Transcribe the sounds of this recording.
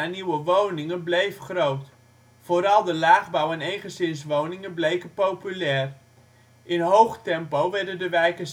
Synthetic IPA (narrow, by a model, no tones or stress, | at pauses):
aniwəʋownɪŋənblejfχrowt | foːɾɑlˠdəlaːɣbɔwɛnejχəzɪnsʋownɪŋənblejkəpowpylɛːr | ʔɪnɦowχtɛmpowʋɛɹdəndəʋɛjkəs